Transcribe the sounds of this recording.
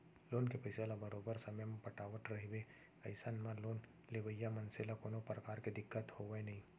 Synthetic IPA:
loːnkepɐɪselabəɾoːbəɾsɐməjmẽpɐʈaːʋəʈɾɐɦiʋe | ɐɪsənmãloːn | leʋəjːamɐnsɪlakoːnopɾəkaːɾked̪ɪkːət̪hoːʋeenɐɦĩ

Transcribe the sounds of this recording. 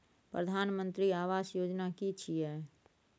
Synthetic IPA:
pɾəd̪ʱaːnmə̃nt̪ɾiaːʋaːsjoːd͡ʒnakit͡ʃʰiɦɛː

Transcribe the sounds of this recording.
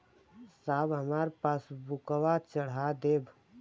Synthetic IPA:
saːbɦəmaːɾepaːsbʊkəʋat͡ʃəɽ̤ad̪eːb

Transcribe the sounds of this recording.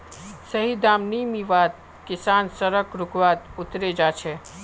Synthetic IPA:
səɦid̪aːmnimiʋaːt̪̚ | kɪsaːnsəɾəkɾʊkʋat̪ʊt̪ɾed͡ʒat͡ʃʰe

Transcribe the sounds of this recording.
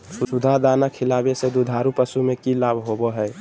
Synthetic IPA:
sʊsud̪ʱaɦd̪aːnakʰɪlaːbesed̪ud̪ʱaːɾupəsumekilabʱɦoboɦɛɛ

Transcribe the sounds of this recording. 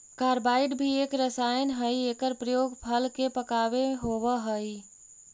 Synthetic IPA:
kaɾbaɪɖbʱiekɾəsajənɦəjekəɾpɾəjoɡpʰəlkepəkabeɦoβəɦəj

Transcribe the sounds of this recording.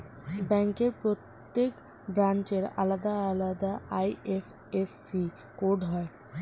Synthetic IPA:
bɛŋkeɾpɾot̪ːek | bɾant͡ɕeɾa̰lad̪aːlad̪aʔajef | esːi | koɾɖɦɔe

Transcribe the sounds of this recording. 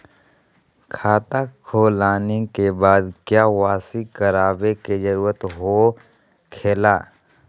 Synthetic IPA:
kʰaːt̪akʰoːlaːnekebaːd̪kjaːʋaːsikəɾaːbeked͡ʒəɾuːɾət̪ɦo | kʰeːlaː

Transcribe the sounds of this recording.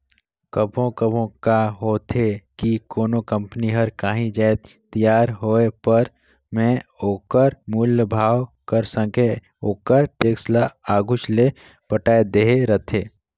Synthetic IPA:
kəbʱõkəbʱõkaɦoːt̪ʰekikoːnõkə̃mpəniɦəɾkaːɦĩd͡ʒaːt̪ | t̪əjaːɾɦoːepəɾ | mɛ̃oːkəɾmuːljəbʱaːwkəɾsə̃ŋkʰe | oːkəɾʈeːkslaaːɡʊt͡ʃle | pəʈaːed̪eɦeɾət̪ʰeː

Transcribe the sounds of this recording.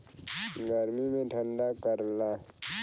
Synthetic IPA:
ɡəɾmimẽʈʰə̃ɳɖakəɾlaː

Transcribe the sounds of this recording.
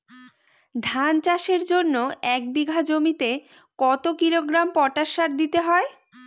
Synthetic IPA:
d̪ʱant͡ɕaʃeɾd͡ʑonːoɛk̚biɡʱad͡ʑomit̪e | kɔt̪okiloɡɾampɔʈaʃaɾd̪it̪eɦɔe

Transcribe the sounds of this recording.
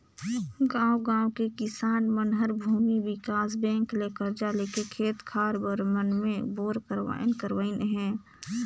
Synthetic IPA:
ɡãːwɡãːwokekɪsaːnmənɦəɾbʱuːmiwɪkaːs̬bɛ̃ːŋklekəɾd͡ʒaleːkekʰeːt̪kʰaːɾbəɾmənmẽboːɾkəɾʋa̰ːjnkəɾwaːɪnɦɛ̃ː

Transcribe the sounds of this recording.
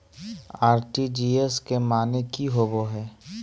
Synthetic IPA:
aːɾʈid͡ʒiːeskemaːnekiɦoboɦɛː

